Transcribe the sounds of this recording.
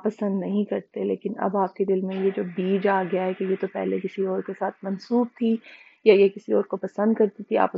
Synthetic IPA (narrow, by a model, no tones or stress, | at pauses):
pːɐsə̃nd̪nɐɦĩkɐɾt̪elḛːkɪnɐ̰baːp̚ked̪ɪlmẽjed͡ʒoːbiːd͡ʒaːɡɐjaɦɛkejet̪opɛ̰ɦlekɪsiɔːɾkesaːt̪ʰmɐnsuːb̚t̪ʰi | jajekɪsiɔːɾkopɐsə̃nd̪kɐɾt̪it̪ʰia̰ːp